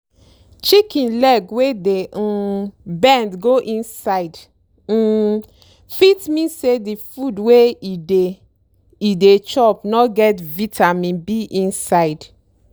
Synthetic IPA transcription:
t͡ʃikĩnlɛɡwedeũbɛ̃ndɡoʔĩnsaɪd̩ | fitmĩnsedifudweide | idet͡ʃɔpnɔɡɛtvitʰamĩnbiʔĩnsaɪd

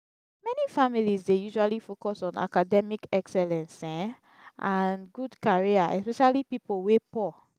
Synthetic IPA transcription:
mɛnifamilizdejuʒualifokɔsɔ̃na̰kadɛmikɛksɛlɛ̃nsɛ̃ | ʔanɡudkaɹiaʔɛ̰spɛʃalipipolwepɔ

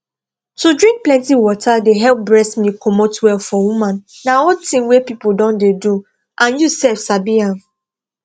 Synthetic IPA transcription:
tudɹĩŋk̚plɛ̃ntiwɔtʰadeɦɛlp̚bɹɛsmikʰɔmotwɛlfɔwumãnːaɔtĩŋwepipuldɔ̃ndedu | ʔãnjusɛlfsabiãn

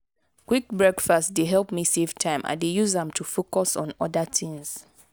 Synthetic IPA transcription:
kʰwik̚bɹɛkfastdeɦɛlˠpmiseftʰãɪ̃mʔã̰dejuzãmtʰufokɔsɔ̃nɔdatʰĩŋs

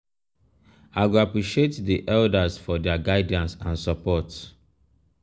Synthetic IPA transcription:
aɪɡuapɹiʃietdiʔɛldasfɔdɛaɡaɪdãnsãnsɔpɔt

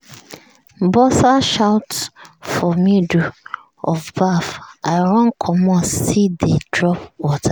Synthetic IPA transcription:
bɔsaʃawtfɔmidu | ɔfbafaɪɹɔ̃nkʰɔmɔsidedɹɔpwɔtʰa

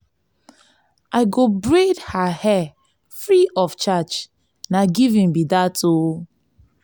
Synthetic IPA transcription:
ʔaɪɡobɹedhahɛ | fɹiʔɔft͡ʃat͡ʃ | naɡivĩmbidatʰo

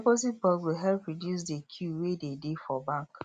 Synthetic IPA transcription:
pozit̚bɔɡwɪlɦɛlpɹɔdjus̬dekʰjuwededefɔbãŋk

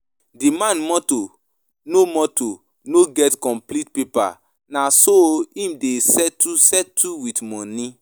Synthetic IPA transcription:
dimãnmɔto | nomɔto | noɡɛtkɔ̃mplit̚pepa̰ | nasoĩmdesɛtːusɛtʰːuwitmɔ̃nĩ

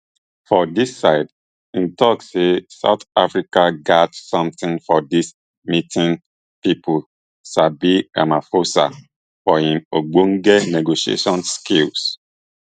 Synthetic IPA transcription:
fɔdisːaɪd | ĩntɔksesa̰ʊt̪afɹikaɡatsɔ̃mtĩnfɔdis | mitʰĩn | pipʰu | sabia̰mafosa̰ | fɔhĩmoɡ͡bon̩ɡɛneɡoʃiḛʃɔ̃nskils

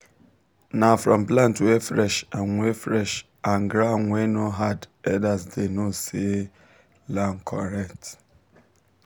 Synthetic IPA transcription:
nafɾɔ̃mplãntuefɾɛʃanŋʷefɾɛʃ | anɡɾaŋʷenoɦadɛdasdenose | lan̩kʰɔɾɛkt

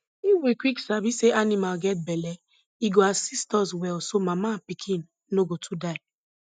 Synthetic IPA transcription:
iwekwiksabiseʔanimalɡɛt̚bɛlɛ | iɡoasistɔswɛlsomamapikʰĩnː | oɡotʰudaɪ

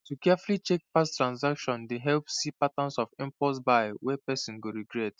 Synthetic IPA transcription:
tukɛfulit͡ʃek̚pastɹãnsakʃɔ̃ndeɦɛlpsipatãnsɔfĩmpɔsbaɪwɛpɛsĩnɡoɹiɡɹɛt

